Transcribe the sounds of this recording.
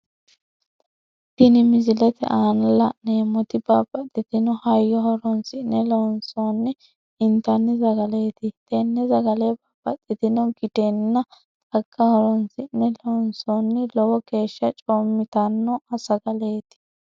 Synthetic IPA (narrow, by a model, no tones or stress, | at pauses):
t̪ɪnɪmɪzɪlɛt̪ɛ̰ʔaːnɐlɐʔneːmɔt̪ɪbaːpʼːɐt̪ʼːɪt̪ɪnɔhɐjːɔhɔɾɔnsɪʔnɛlonsoːnːɪ | ɪnt̪ɐnːɪzɐɡɐle̞ːt̪ɪt̪enːɛzɐɡɐleːbaːpʼːɐt̪ʼːɪt̪ɪnɔɡɪd̪enːɐ | t̪ʼɐɡːɐhɔɾɔnsɪʔnɛlɔnsoːnːɪlɔwɔkeːʃːɐt͡ʃʼoːmːɪt̪ɐnːɔɐsɐɡɐleːt̪ɪ̥